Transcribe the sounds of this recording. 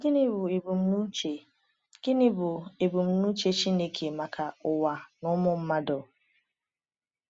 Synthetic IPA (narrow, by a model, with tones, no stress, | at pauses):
ɡɪ˦nɪ˦bʊ˨e˨bu˨m˦˨ | ɡ̥ɪ˦nɪ˦bʊ˨e˨bu˨m̩˦nu˦t͡ʃe˦t͡ʃi˦ne˦kʰe˨ma˨kʰa˨ʊ˨wa˨nʊ˦mʊ˦m̩˦ma˦do˨